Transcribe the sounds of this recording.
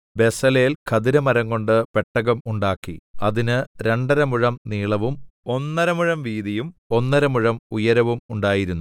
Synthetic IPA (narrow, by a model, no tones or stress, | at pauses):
be̞sɐleːlkʰɐðiɾɐmɐɾɐŋko̞ɳɖɨpe̞ʈːɐɣɐmuɳɖaːkːḭɐðinɨɾe̞ɳɖɐɾɐmuɻɐmniːɭɐʋumo̞nːɐɾɐmuɻɐmʋiːðijumo̞nːɐɾɐmuɻɐmujɐɾɐʋumuɳɖaːjiɾunːu